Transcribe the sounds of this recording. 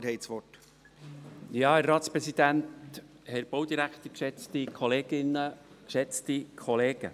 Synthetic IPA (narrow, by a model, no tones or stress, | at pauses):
ɾɦɛsʋɔt | jɑːəɾɾɑːt̪spɾɛsid̪ænt̪ | hɛɾb̥owd̪iɾækt̪əɾkʃɛt͡st̪ikʰɔleːɡ̥ɪnːəkʃɛt͡st̪ikʰχɔleːɡ̥ə̰